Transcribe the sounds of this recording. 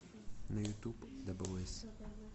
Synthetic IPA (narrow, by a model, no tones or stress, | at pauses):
nɐjut̪ʲubd̪ɐbʊlˠɪsʲ